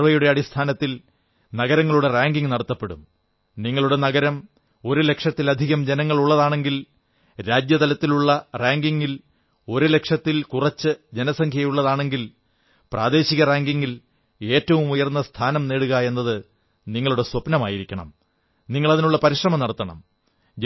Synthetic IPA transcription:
ʋɐjuɽe̞ɐɽist̪ʰaːnɐt̪ːil | nɐɣɐɾɐŋːɐɭuɽe̞raːŋɡiŋɡnɐɽɐt̪ːɐpːe̞ɽṵm | niŋːɐɭuɽe̞nɐɣɐɾɐm | o̞ɾule̞kʂɐt̪ːilɐd̪ʱiɣɐmd͡ʑe̞nɐŋːɐɭuɭːɐðaːɳe̞ŋɡil | ɾaːd͡ʑjɐt̪ɐlɐt̪ːiluɭːɐraːŋɡiŋɡil | o̞ɾule̞kʂɐt̪ːilkurɐt͡ɕːɨd͡ʑe̞nɐsɐŋkʰjɐjuɭːɐðaːɳe̞ŋɡil | praːd̪e̞ːɕiɣɐraːŋɡiŋɡil | e̞ːtːɐʋumujɐrnːɐst̪ʰaːnɐmne̞ːɽuɣɐe̞nːɐðɨ | niŋːɐɭuɽe̞swɐpnɐmaːjiɾikʲːɐɳɐ̰m | niŋːɐɭɐðinuɭːɐpɐɾiʂrɐmɐmnɐɽɐt̪ːɐɳɐ̰m

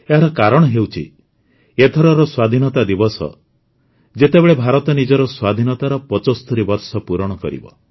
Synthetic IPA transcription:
eɦaɾɔkaɾɔɽ̃ɔɦewt͡ʃʰḭ | et̪ʰɔɾɔɾɔswad̪ʱinɔt̪ad̪ibɔsɔ̰ | d͡ʒet̪ebeɭebʱaɾɔt̪ɔnid͡ʒɔɾɔswad̪ʱinɔt̪aɾɔpɔt͡ʃɔst̪ʰɔɾibɔɾsɔpuɾɔɽ̃ɔkɔ̰ɾḭbɔ̰

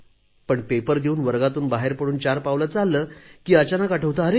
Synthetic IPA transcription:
pəɳpepəɾd̪euːnʋəɾɡat̪uːnbaɦeɾpəɽuːnt͡ɕaɾpaʋlət͡salːəːkiːət͡ɕanakaʈʰəʋt̪əəɾe

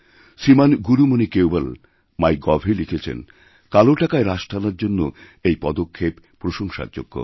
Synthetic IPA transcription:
ʃimanɡuɾumonikewbal | majɡɔbʱilikʰet͡ɕʰḛn | kaloʈakaeɾaʃʈʰanaɾd͡ʑonːo | ejpɔd̪okʰːep | pɾoʃoŋʃa̰ɾd͡ʑo̰ɡːo̰

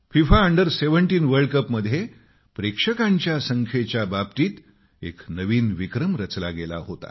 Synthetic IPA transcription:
fifaəɳɖəɾseʋəɳʈiːnʋəɾɽkəpməd̪ʱːje | pɾekʂəkaɲt͡ɕjasəŋkʰet͡ɕjababt̪iːt̪ | ḛknəʋiːnʋikɾəmɾət͡sla̰ɡela̰ɦot̪a̰

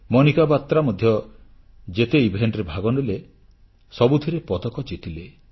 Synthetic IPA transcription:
mɔnikabat̪ːɾamɔd̪ʱjɔ | d͡ʒet̪eibʱenɖɾebʱaɡɔɳɖile | sɔbud̪ʱiɾepɔd̪ɔkɔt͡ʃit̪ile

